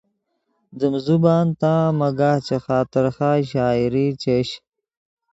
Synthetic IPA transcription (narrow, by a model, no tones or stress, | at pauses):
d̪əmzubaːnt̪ãːmɐɡaːht͡ɕexaːt̪ɪɾxaːɕaːiɾit͡ɕeɕ